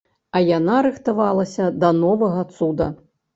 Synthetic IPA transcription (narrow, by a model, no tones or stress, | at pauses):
ɐjanaɾɨxt̪avalˠɐsʲɐd̪ɐnɔvɐɣɐt̪sud̪ɐ